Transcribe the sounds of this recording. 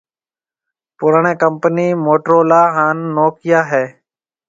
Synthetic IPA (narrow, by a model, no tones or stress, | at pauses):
pʊɾəɳẽːkəmpəniːmoːʈɾoːlaːɦaːnːoːkɪjaːɦɛː